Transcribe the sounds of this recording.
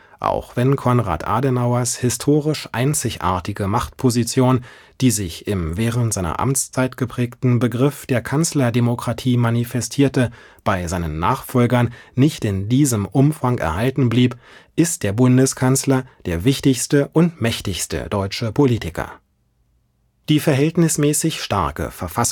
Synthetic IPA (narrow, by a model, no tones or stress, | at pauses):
ʔa̰ʊxv̥ɛnkʰɔnʁa̰ːtʔa̰ːdənaʊɐshɪstʰoːʁɪʃʔa̰ɪnt͡sɪçʔa̰ːɐtɪɡəmaχtpʰozit͡sjoːn | d̥iːzɪçɪmvɛːʁəntz̥aɪnɐ̰ʔa̰mt͡st͡saɪtɡ̥əpʁ̥ɛːktn̩bəɡʁɪfd̥eːɐkʰanslɐdemokʁ̥atʰiːmanifɛstʰiːɐtə | b̥aɪzaɪnənːa̰ːχfɔlɡɐnːɪçtɪndiːzəmʔʊmfaŋʔɛ̰ɐhaltn̩bliːpʔɪst̚d̥eːɐbʊndəskʰanslɐd̥eːɐvɪçtɪçstəʔʊntmɛçtɪçstə̰d̥ɔʏt͡ʃəpʰoliːtɪkɐ̰ | d̥iːfɛɐɦɛltnɪsmɛːsɪçʃta̰ɐkə̰fɛɐfas